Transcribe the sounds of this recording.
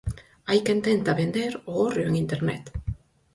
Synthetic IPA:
ajkent̪ent̪aβend̪eɾoɣoreeŋint̪eɾnet̪

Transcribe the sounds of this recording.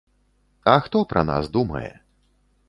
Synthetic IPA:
ɐxt̪ɔpɾʔɐ̰na̰sd̪umɐ̰jɛ̰

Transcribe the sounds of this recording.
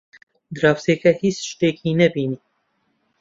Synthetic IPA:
d̪ɨɾɑːfseːkɛhiːsʃt̪eːkʰiːnɛbiːni

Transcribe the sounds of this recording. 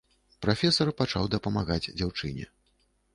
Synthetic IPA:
pɾafʲɛsɐrpat͡ʂawd̪ɐpɐmaɣad͡zʲd͡zʲawt͡ʂɨ̰nʲɛ̰

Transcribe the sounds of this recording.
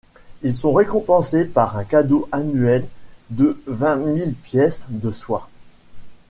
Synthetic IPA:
ilsɔ̃ʁekɔ̃pɑ̃sepaʁɛ̃kad̪oʔanɥɛld̪əvɛ̃milpjɛsd̪əswa

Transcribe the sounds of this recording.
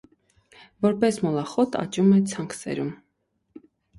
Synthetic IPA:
vɔɾpɛsmɔlɑχɔt̪ʰɑ̰t͡ʃumɛt͡sʰɑŋksɛ̰ɾum

